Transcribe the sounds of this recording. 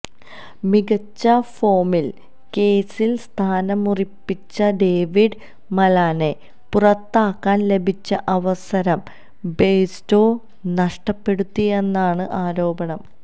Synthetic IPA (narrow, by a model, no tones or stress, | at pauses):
miɡɐt͡ɕːɐfo̞ːmil | ke̞ːsilst̪ʰaːnɐmuripːit͡ɕːɐɖe̞ːʋiɖ | mɐlaːne̞ | purɐt̪ːaːkːaːnle̞bʱit͡ɕːɐʔɐʋɐsɐɾɐm | be̞ːjsto̞ː | nɐʂʈɐpːe̞ɽut̪ːie̞nːaːɳɨʔaːɾo̞ːbɐɳɐm